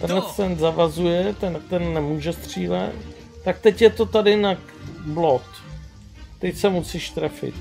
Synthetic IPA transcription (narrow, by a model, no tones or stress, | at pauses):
t̪ɛnlɛt͡st̪ɛnzavazujɛt̪ɛnkt̪ɛnːɛmuːʒɛst̪r̝̥iːlɛ̰t̪ː | ak̚t̪ɛcjɛt̪ot̪adɪnak | blot̪ | t̪ɛcsɛmusiːʃt̪ɾɛfɪ̰t̪